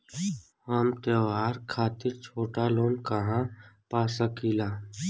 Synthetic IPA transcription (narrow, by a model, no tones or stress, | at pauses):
amt̪əʋaːɾkʰaːt̪ɪɾt͡ʃʰoːʈaloːnkəɦãpaːsəkilaː